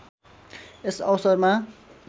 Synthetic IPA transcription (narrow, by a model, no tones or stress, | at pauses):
esʌwsʌrma